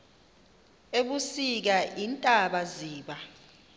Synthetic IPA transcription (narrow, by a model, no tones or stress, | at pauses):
eɓusik̬aʔintʼaɓaziːɓa